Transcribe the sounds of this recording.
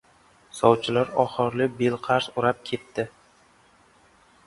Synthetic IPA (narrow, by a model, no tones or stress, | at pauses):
sɒwt͡ʃʰɪlaɾɒχɨɾlɪbelqʰɑɾsʊɾap̚kʲʰe̞t̪ːɪ